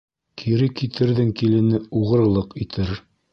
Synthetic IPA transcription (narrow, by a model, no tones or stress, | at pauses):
kʰiɾɘkit̪ʰɘ̆ɾðɘŋkilɘ̆nɘuʁɤ̆ɾlˠɤqit̪ʰɘɾ